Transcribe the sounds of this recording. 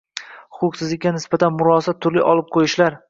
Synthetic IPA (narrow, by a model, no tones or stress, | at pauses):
hʊqʰʊqsɪzlɪkʲːanɪsbat̪ʰanmʊɾɒsat̪ʰːʊɾlɪʔɒlˠɪp̚qʰojɪʃlaɾ